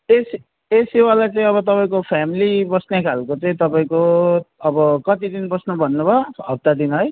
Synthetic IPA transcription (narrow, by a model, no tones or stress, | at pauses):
es | esiwalajt͡sʌĩʌβʌt̪ʌpaĩkopʰamilibʌsnekʰalkot͡sʌĩt̪ʌpaĩkoʌbʌkʌt̪id̪inbʌsnubʱʌnːubʱʌɦʌp̚t̪ad̪inɦʌj